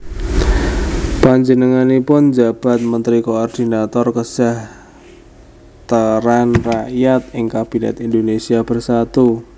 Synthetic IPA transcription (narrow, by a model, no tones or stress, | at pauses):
paɲd͡ʒənəŋanipʊnd͡ʒab̥at̪̚mənt̪ɾikoɔrd̪̥inat̪ɔrkəsah | t̪əɾanraʔjat̪̚ɪŋkab̥inɛ̰t̪indonesiab̥ərsat̪u